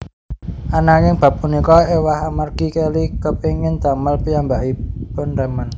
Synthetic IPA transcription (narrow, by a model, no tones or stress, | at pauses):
ʔanaŋɪŋb̥ä̤p̚ːunikɔewahamarɡ̥ikelikəpeŋɪnd̪̥a̤məlpijambaʔipʊnɾamən